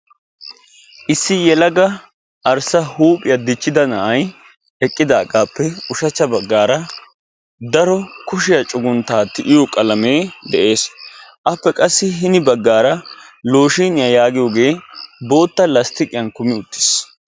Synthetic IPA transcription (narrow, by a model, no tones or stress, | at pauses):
ʔɪsːɪjɛlɐɡɐ | ʔɐɾsɐhuːpʼɪjɐd̪ɪt͡ʃːɪd̪ɐnɐʔɐj | ɛkʼːɪd̪aːkʼaːpːɛʊʃɐt͡ʃːɐbɐɡːaːɾɐ | d̪ɐɾɔkʊʃɪjɐt͡ʃʼʊɡʊnt̪aːt̪ːɪʔɪjokʼɐlɐme̞ːd̪ɛʔe̞ːsʔɐpːɛkʼɐsːɪɦɪnɪbɐɡːaːɾɐlo̞ːʃiːnɪjɐjaːɡɪjoːɡe̞ːbo̞ːt̪ːɐlɐst̪ɪkʼɪjɐnkʊmɪʊt̪ːɪ̥s